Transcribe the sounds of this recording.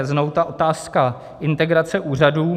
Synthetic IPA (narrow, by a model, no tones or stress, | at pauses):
ɛznowt̪aʔo̞t̪aːska | ʔɪnt̪ɛɡɾat͡sɛʔuːr̝aduː